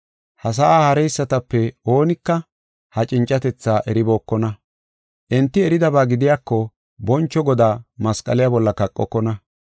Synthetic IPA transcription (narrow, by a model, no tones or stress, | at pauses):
hɐs̬ɐʔaːhɐɾɛjsːɐt̪ɐpːɛo̞ːnɪkːɐ | hɐt͡ʃʼɪnt͡ʃʼːɐt̪ɛt͡sːaːʔɛɾɪbo̞ːkːɔnɐ | ʔɛnt̪ːɪɛɾɪd̪ɐbaːɡɪd̪ɪjaːkːɔ | bɔnt͡ʃːɔɡɔd̪aːmɐskʼɐlɪjabɔlːɐkɐkʼːɔkːɔnɐ